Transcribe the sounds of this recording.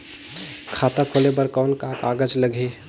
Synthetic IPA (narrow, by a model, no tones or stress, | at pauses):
kʰat̪akʰolebəɾkɔʊnkakaɡəd͡ʒləɡʱe